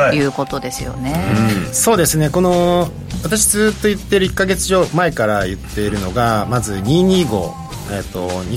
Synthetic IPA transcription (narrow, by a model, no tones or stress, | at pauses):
jɯ̟ːko̞t̪o̞d̪e̞sɨjo̞̰neɯ̃so̞ːd̪e̞sɨne̞ko̞no̞ | βat̪aɕid͡zɨːt̪ːo̞it̪ːeɾɯ̟ikːaɡe̞t͡sɨʑo̞ːmae̞kaɾajɯ̟t̪ːe̞iɾɯ̟no̞ɡamazɨɲ̟iːɲ̟iːɡo̞̰ː | et̪ːo̞ɲi